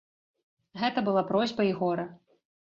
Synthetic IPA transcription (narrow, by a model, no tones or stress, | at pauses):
ɣɛt̪ɐbɨlapɾɔzʲbɐiɣɔɾɐ